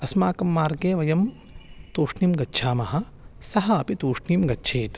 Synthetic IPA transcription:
ɐsmaːkɐmːaːɾɡeːʋɐjɐm | t̪oːʂniːmɡɐtːʃʰaːmɐɦɐ̆ | sɐɦɐɐpit̪uːʂɳiːmɡɐtːʃʰeːt̪

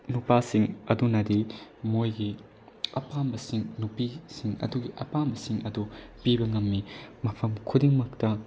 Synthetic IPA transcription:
nupasiŋɐdunɐdimojɡi | ɐpambɐsiŋnupisiŋɐ̰duɡiʔɐpambɐsiŋɐdupibɐŋɐmːimɐpʰɐmkʰudiŋmɐk̚tɐ

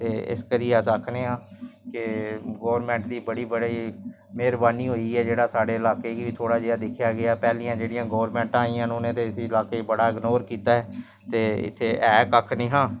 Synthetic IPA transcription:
t̪eːɪ̰skəɾiːəsəkʰnẽːãːkɪɡoːʋəɾmɛ̃ːɳʈd̪iːbəɽiːbəɽiː | meːɾbaːniːɦoːiːɛːd͡ʒeːɽaːsaːɽeːɪlaːkeːkiʋiːt̪ʰoːɽaːd͡ʒeːaːd̪ɪkʰjaːɡɪaːpɛːliːãːd͡ʒeːɽijãːɡoːʋɾmɛ̃ːɳʈãːĩːãːnonẽːt̪eːəsiːɪlaːkeːibəɽaːɪɡnoːɾkiːt̪aːɦɛː | t̪eːɪ̰t̪ʰːeːʔɛːkəkʰnĩːɦãː

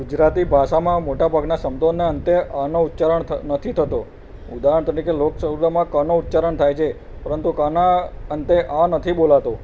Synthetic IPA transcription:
ɡʊd͡ʒɾat̪ibʱaʃamãmoʈabʱaɡnasəmd̪ʱonːeənt̪eʔãnout̪ːt͡ʃaɾəɳnət̪ʰit̪ʰət̪o | ʊd̪aɦəɳt̪əɾikeloksəɦud̪amãkənout̪ːt͡ʃaɾəɳt̪ʰajt͡ʃʰe | pəɾənt̪ukənaənt̪eʔãnət̪ʰiɓolat̪o

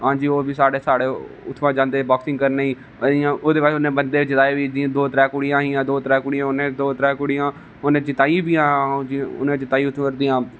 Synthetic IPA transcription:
ɦãːd͡ʒiːoːbiːsaːɽeːsaːɽeː | ʊt̪ʰːʋãːd͡ʒãːnd̪eːbaːksɪ̃ŋɡkəɾneːiː | ɪjãːoːd̪eːʋat͡ʃʊnẽːbənd̪eːt͡ʃɪt̪aːeːʋiːd̪ɪãːd̪oːt̪ɾɛːkʊɽijãːɦĩːãːd̪oːt̪ɾɛːkʊːɽijãːʊnẽːd̪oːt̪ɾɛːkʊɽijãː | ʊnẽːt͡ʃɪt̪aːĩbiːãːd͡ʒiːʊ̰nẽːt͡ʃɪt̪aːiːʊt̪ʰːəɾd̪ijãː

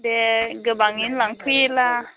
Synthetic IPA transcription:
dɛɡəbaŋinlaŋpʰujla

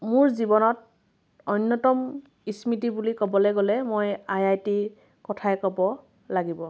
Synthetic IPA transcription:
mʊɹzibɔnɔt̚ | ɔnːɔtɔm | ismitibulikɔbɔlɛɡolɛmojajajti | kɔtʰajɛkɔbɔ | laɡibɔ

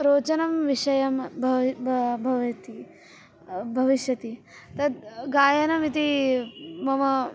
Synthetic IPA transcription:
ɾoːt͡ʃɐnɐmʋiʂɐjɐmbʱ | bʱɐʋjɐt̪i | bʱɐʋiʃjɐt̪i | t̪ɐd̪̚ɡaːjɐnɐmit̪i | mɐmɐ

